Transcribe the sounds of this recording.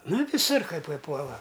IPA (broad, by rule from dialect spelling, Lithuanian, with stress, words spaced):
ˈnɐ ʋʲɪˈsʊr kɐɪ pɐɪˈpuɔlˠɐ